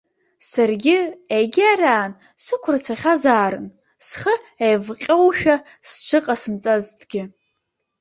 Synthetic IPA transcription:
sarɡʲɪejɡʲɪaraːn | sɨkʷʰrat͡sʰaχʲazaːɾɨ̰n | sχəejvqʲʼowʃᶣa | sʈ͡ʂʰɨqʼasɨmt͡sʼaztʰʼɡʲɪ

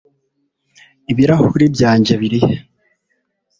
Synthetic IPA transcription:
iβiɾahuɾibjaːɲɟe̞βiɾihe

